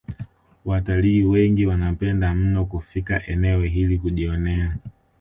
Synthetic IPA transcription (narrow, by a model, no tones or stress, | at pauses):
wataliːwɛŋɡiwanapɛndam̩nɔkufikaʔɛnɛwɛɦilikuʄiɔnɛa